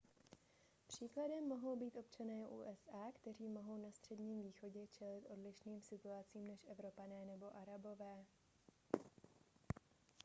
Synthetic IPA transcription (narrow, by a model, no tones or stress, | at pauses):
pr̝̥iːkladɛmːo̞ɦo̞wbiːt̪ʔo̞p̚t͡ʃanɛːʔṵːʔɛsʔaːkt̪ɛr̝iːmo̞ɦo̞wnast̪r̥ɛdɲiːmviːxo̞ɟɛt͡ʃɛlɪt̪ʔo̞dlɪʃniːmsɪt̪uat͡siːmnɛʃʔɛvɾo̞panɛːnɛbo̞ʔaɾabo̞vɛː